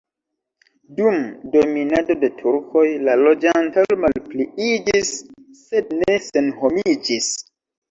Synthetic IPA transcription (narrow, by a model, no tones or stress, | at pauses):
dumdo̞minado̞de̞tʰuɾko̞jlalo̞d͡ʒantalmalpliid͡ʒisː | e̞dne̞se̞nhomid͡ʒis